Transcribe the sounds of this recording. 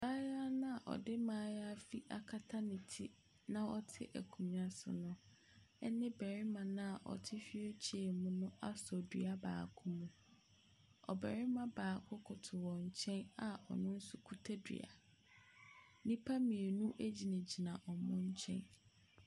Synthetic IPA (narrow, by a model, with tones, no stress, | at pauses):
baː˦ja˦nã˦a˨ʔɔ̰˨dɪ˦mãː˨˦ja˦fi˦ʔa˨kʰa˦tʰa˦nɪ̃˨tʰɪ˦ | nã˨ɔ˦tʰɪ̰˦ʔæ̰˨kʰũ˨m̃˨a˨sʊ̰˨nʊ̃˦ | ɛ̰˦nɪ̃˦bæ˨ɾɪ˦mã˨nã˦a˨ʔɔ̰˨tʰɪ˦fi˦e˦t͡ɕʰi˨˦e˨mũ˦nʊ̃˦a˦sɔ˨di˨˦a˦ba̰ː˨kʰʊ˦mũ˦ | ɔ̰˨bɛ˨ɾɪ˦mã˦baː˨kʰʊ˦kʰʊ˨tʰʊ˨wɔ̃˨ɲ̩˨t͡ɕʰɛ̃˦na˨ɔ̰˨nʊ̃˦n̩˦sʊ˦kʰu˦tʰe˦dḭ˨a̰˨ | nĩ˦pʰa˦mĩ˨e˨nũ˦ʔe˦d͡ʑi˨nã˨d͡ʑi˨nã˨ʔɔ˨mʊ̃˦ɲ̩˦t͡ɕʰɛ̰̃˦n